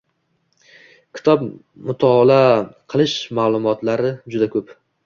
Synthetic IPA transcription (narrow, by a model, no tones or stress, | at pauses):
kʲʰɪ̥t̪ʰɒp | mʊt̪ʰɑːlqʰɨlˠɪʃmaːlˠʊmɒt̪laɾɪd͡ʒʊd̪akʰɵp